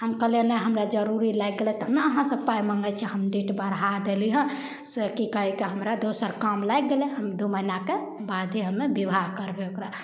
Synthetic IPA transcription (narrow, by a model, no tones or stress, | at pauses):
həmkəlenəɦəmɾad͡ʒəɾuɾilajɡ̚ɡelɛt̪ɔɦmeəɦãsəb̚pajməŋɡət͡ʃʰɛɦəmɖiʈbəɾɦad̪eliɦə̃ | sekikəɦikeɦəmɾad̪osəɾkamlajɡɡelɛɦəmd̪uməinake | bad̪ʱɦəmebibʱaɦkəɾbeokɾa